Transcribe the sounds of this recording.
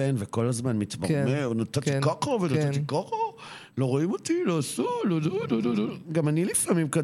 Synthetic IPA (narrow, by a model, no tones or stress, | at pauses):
enveko̞lazmanmit̪mamenot̪atikokovenot̪at̪ikoχo | loʁoimot̪iloasulolunoluluɡamanilifamimka